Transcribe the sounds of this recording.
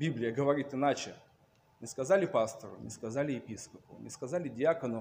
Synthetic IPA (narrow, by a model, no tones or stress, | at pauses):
bʲiblʲɪjəɡəvɐɾʲit̪ɨnat͡ɕɪ | mʲɪskɐzalʲɪpast̪əɾʊ̰nʲɪ̰skɐzalʲɪjɪpʲiskəpʊ̰nʲɪskɐzalʲɪdʲɪakənʊ